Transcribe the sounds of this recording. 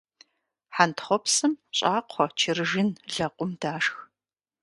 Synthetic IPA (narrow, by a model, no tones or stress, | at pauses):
ħantʰχʷɔpsɨmɕʼaːqʷʰɔt͡ʃʰɪrɨʒɪnɮɐqʷʼʊmdaːʂx